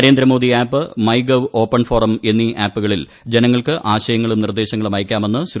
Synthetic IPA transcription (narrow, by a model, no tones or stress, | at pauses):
ɾe̞ːnd̪ɾɐmo̞ːd̪iaːpːɨmɐjɡɐʋo̞ːpːɐnfo̞ːrɐme̞nːiʔaːpːuɣɐɭil | d͡ʑe̞nɐŋːɐɭkɨʔaːɕɐjɐŋːɐɭumnird̪e̞ːɕɐŋːɐɭumaːjkʲːaːme̞nːɨs